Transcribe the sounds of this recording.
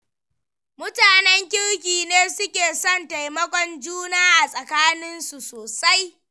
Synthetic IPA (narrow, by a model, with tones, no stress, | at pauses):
mʊ˦taː˨nɛ˦ŋkʲɪ˦ɽkʲiː˨neː˦sʊ˦kʲeː˨sɔ˦˨nta˨jmɐ˦kʷɔ˦nd͡ʒuː˦naː˦ʔa˨sʼɐ˨kaː˦nɪ˦nsu˨soː˨sa˦j